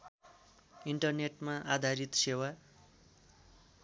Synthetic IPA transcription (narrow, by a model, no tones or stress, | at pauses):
iɳʈʌrneʈmaʔad̪ʱaɾit̪sewa